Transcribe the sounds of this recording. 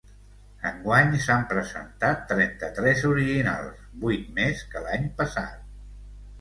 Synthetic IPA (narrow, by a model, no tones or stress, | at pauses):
ə̰ŋɡwaɲsampɾəzə̰nt̪at̪ːɾɛnt̪ət̪ɾɛzuɾiʒina̰lˠsbujt̪̚meskəlaɲpəsa̰t̪̚